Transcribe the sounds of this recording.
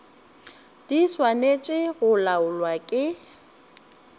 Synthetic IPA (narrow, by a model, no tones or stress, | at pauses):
d̥iswanet͡ʃʼɪɣʊlaʊlwakʼɪ